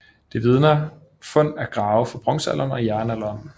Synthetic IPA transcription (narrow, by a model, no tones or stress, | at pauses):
d̥e̝ʋið̞ˠnɐ | fɔ̽n̰æɐɡ̥ʁɑ̈ːʊfɒ̽b̥ʁɔ̽ŋ̰sæ̰lʔɐn̩ɒ̽jæɐnælɐːn